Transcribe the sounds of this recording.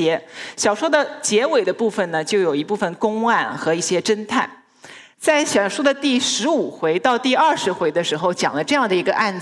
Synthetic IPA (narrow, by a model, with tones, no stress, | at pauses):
ɛ˧˥ɕjɑ˨˩ʊʂwɔ˥d̪ə˨t͡ɕjɛ˧˥we˨˩ɪd̪ə˦pu˥˩fə˩nnə˩t͡ɕjo˥˩ʊjo˨˩ʊi˧˥pu˥˩fə˨˩nkʊ˥ŋwa˥˩nxɤ˧˥i˥˩ɕjɛ˥ʈ͡ʂə˥nt̪ʰa˥˩ | t͡sa˥˩ɪɕjɑ˨˩ʂu˥d̪ə˨t̪i˥˩ʂɻ̩˧˥u˨˩xwe˧˥ɪt̪ɑ˥˧ʊt̪i˥˧ɐ˥˩ʂɻ̩˧˥xwe˧˥ɪd̪ə˧ʂɻ̩˧˥xo˥˧ʊt͡ɕjɑ̰˨˩ŋlə˦ʈ͡ʂɤ˥˧jɑ˥˩ŋd̪ə˩i˧˥ɡə˧ʔa˥˩nt͡s